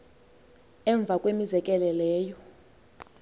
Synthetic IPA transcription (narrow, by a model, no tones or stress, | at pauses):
ɛɱb̪vʱakʼwemizɛkʼɛlɛlɛːjɔ